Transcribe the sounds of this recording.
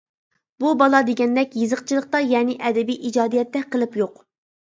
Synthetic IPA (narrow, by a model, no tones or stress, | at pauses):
bubɑlˠɑd̪eɡʲɛnd̪ɛkʲjɨzəqt͡ʃʰilˠəχt̪ɑjɛːnɪʔɛd̪ɪbijʔid͡ʒɑːd̪ijɛt̪ːɛqʰəlˠɨpjoq